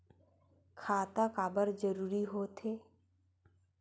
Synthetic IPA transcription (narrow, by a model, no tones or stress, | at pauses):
kʰaːt̪akaːbəɾd͡ʒəɾuːɾiɦoːt̪eː